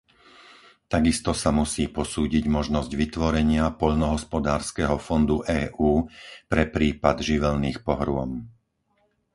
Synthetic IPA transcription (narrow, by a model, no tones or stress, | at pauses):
t̪aɡist̪ɔsamusiːpɔsuːɟiɟmɔʒnɔzɟʋit̪ʋɔɾɛɲɪapɔʎnɔɦɔspɔd̪aːɾskɛɦɔfɔnd̪uʔɛːʔuːpɾɛpɾiːpad̪ʒiʋɛlniːxpɔɦɾʊɔ̰m